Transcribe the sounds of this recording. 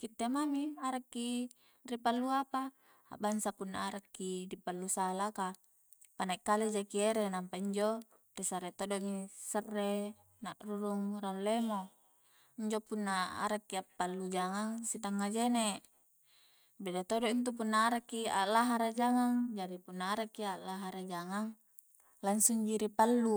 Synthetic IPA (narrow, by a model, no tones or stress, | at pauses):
kit̪ːemamiaɾakːi | ripalːuapa̰ː | bansapunːa̰ːɾakːidipalːusalaka | panaikːaled͡ʒakieɾenampaiɲd͡ʒo | risaɾet̪odomisərːe | naʔruɾuŋɾalːemo | iɲd͡ʒopunːaa̰ɾakːiapːalːud͡ʒaŋaŋsit̪aŋːad͡ʒene | bedat̪odɔʔint̪̬upunːaːɾakːia̰laɦaɾad͡ʒaŋaŋd͡ʒaɾipunːaːɾakːialaɦaɾad͡ʒaŋaŋ | laŋsuŋd͡ʒiɾipalːu